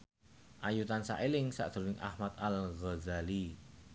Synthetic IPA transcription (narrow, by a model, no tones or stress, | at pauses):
ʔajut̪ansa̰ʔelɪŋsa̰ʔd̪̥ɾwɪŋʔa̰hmat̪alɣɔzali